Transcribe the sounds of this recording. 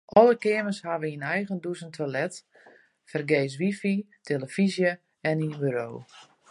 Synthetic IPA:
ʔɔlˠəkɪəməshaʋəinɛjɣəndusəntʰwalɛt | fərɡeːs̬ʋifi | tʰeləfizjə | ɛniənbyɾoː

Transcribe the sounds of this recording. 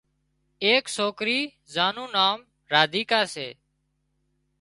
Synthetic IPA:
eːksoːkɾiː | zaːnũːnaːm | ɾaːd̪ʱiːkaːsḛː

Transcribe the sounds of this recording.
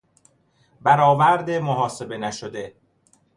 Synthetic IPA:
bæɾɒːvæɾd̪emoɦɒːse̞be̞næʃod̪e̞

